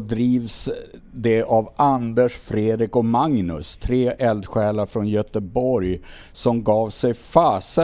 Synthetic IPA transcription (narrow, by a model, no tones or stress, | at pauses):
d̪ɾiːvsd̪ɛʔavʔand̪əʂfɾeːd̪ɾɪkɔmaŋnɵ̰st̪ʰɾeːʔɛld̪ɧɛːlaɾfɾɔnjœt̪əbɔɾj | sɔmɡɑːvsɛjfaːsə